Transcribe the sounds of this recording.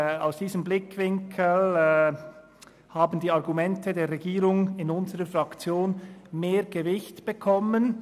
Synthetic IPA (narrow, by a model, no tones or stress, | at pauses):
aʊsd̥iːzəmblɪkʰvɪŋkʰəl | haːbən̩diːɑʁɡumɛntədeːɾʁɛɡiːɾʊŋɪnʊnzəɾəfʁɑkt͡sjoːnmeːɾɡ̥əvɪçtb̥əkʰɔmən